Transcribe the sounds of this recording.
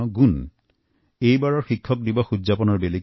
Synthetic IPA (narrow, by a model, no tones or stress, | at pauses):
ɔɡun | ejbaɹɔɹxikʰːɔk̚dibɔxuzapɔnɔɹbeli